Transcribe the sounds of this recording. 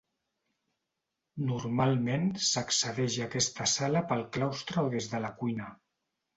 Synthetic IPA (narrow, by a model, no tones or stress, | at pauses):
nuɾmalˠmensəksəðɛʒakɛst̪əsaləpəlˠklawst̪ɾəoðezðələkujnə